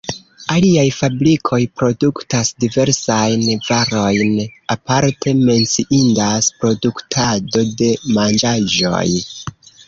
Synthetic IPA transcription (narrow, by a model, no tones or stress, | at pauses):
aliajfabɾikʰo̞jpɾo̞duktasdive̞ɾsajnvaɾo̞jnapaɾtʰe̞me̞nt͡siʔindaspɾo̞duktʰado̞de̞mand͡ʒaʒo̞̰j